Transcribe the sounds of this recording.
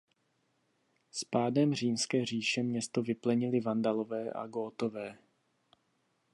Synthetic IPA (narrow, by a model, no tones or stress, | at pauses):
spaːdɛmr̝iːmskɛːr̝iːʃɛmɲɛst̪o̞vɪplɛɲɪlɪvandalovɛːʔa̰ɡoːt̪o̞vɛː